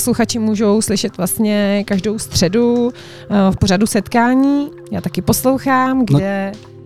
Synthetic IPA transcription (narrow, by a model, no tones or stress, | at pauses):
sluxat͡ʃɪmuːʒo̞wslɪʃɛt̪vlast̪ɲɛkaʒdo̞wst̪r̥ɛdu | fpoɾadusɛt̪kaːɲiː | jaːt̪akɪpo̞slo̞wxaːmɡdɛ